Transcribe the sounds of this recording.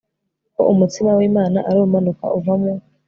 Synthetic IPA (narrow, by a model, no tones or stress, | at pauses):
ko̰ʔumutimawiːmaːnaʔaɾuumanuka̰ʔuvamŋo